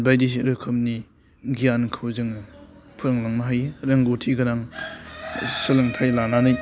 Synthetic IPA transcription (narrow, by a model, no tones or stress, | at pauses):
bajdis̬iɾɯkʰɯm̚ni | ɡijankʰɯwzɯŋpʰɯɾɯŋlaŋnaɦajɾɯŋɡotʰiɡɐɾaŋ | sɯlɯŋtʰajlananɯj